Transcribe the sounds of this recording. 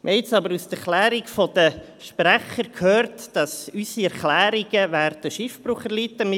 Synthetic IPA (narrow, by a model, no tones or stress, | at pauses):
mʔɪt͡sɑbəɾust̪ɛɾχlæːɾikfɔd̪̥ə | ʃpræχəɾkʰhøːrtd̥ɑsysiɛɾχlæːɾiɡ̥əvæːɾd̥̪əʃɪfb̥ɾuχɛɾlit̪ːəm